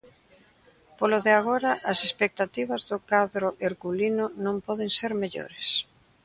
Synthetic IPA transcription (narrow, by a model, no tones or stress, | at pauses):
poloðɪaɣoɾɐʔɐsespek̚t̪at̪iβ̞ɐzðʊkaðɾʊʔeɾɣulinʊnõmpɔð̞eŋseɾmeʎo̰ɾes